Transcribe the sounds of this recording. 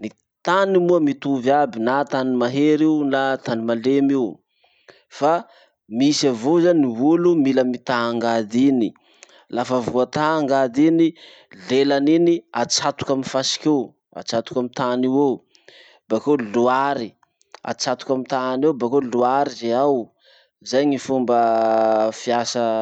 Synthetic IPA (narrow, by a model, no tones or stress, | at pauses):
ni | t̪animuəmit̪uvabinat̪animaɦeɾiunat̪animalemiw | fa | misavozaniɦulumiləmit̪aaŋɡad̪ini | lafavuat̪aaŋɡad̪ini | lelaniniat͡sat̪u̥kaminfasi̥kew | a̰t͡sat̪u̥kamit̪aniwe | bakeluaɾi | a̰t͡sat̪u̥kamit̪anewbakeluaɾizeaw | zajɲifumbə | fiasə